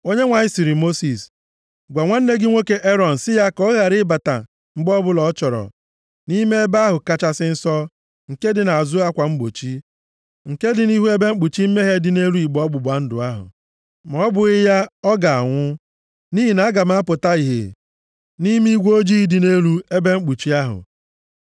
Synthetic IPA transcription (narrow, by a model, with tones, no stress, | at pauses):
o˦ɲe˦ŋʷa˨ɲɪ˦si˨ɾi˨mo˦si˨s | ɡʷa˨ŋʷa˦n̩˦ne˦ɡɪ˦ŋʷe˦ke˨ʔe˦ɾɔ˨n̩˨sɪ˦ja˦kɔ˦ɣa˨ɾɪ˦ba˨ta̰˨ | ŋ͡m̩˦ɡ͡bɔ˦bʊ˦lɔ˨˦t͡ʃɔ˨ɾɔ̰˨ | ni˦me˦e˦ba˦ɦʊ˨ka˦t͡ʃa˦sɪ˦n̩˦sɔ˦ | ŋ̩˨ke˦dɪ˨na˨a˨zʊ˦a˦kʷa˨ŋ͡m̩˦ɡ͡bo̰˨t͡ʃi˦ | ŋ̩˨ke˦dɪ˨ni˦ɦu˦e˦be˦ŋ͡m̩˦k͡pu˨t͡ʃi˦m̩˦me˦ɦe˦dɪ˨ne˦ɾu˦i˨ɡ͡bɔ˦ɡ͡bʊ˨ba˨n̩˦dʊ̰˨a˦ɦʊ̰˨ | m˨ɔ˨˦bʊ˨ɪ˦ja˦ɔ˦ɡa˨a˨ŋʷʊ˦ | ni˦ɦi˨na˨a˦ɡa˨m̩˦a˦pʊ˨ta˦i˨ɦḛ˨ | ni˦mi˦ɡʷo˦d͡ʒi˦i˦dɪ˨ne˦ɾu˦e˦be˦ŋ͡m̩˦k͡pu˨t͡ʃi˦a˦ɦʊ̰˨